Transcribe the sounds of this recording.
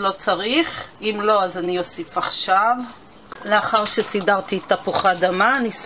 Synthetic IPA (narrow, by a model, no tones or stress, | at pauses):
lo̞t͡saʁiχimlo̞azanio̞sifaχʃav | leaχaʁʃesidaʁt̪iːt̪ːapuχadamanis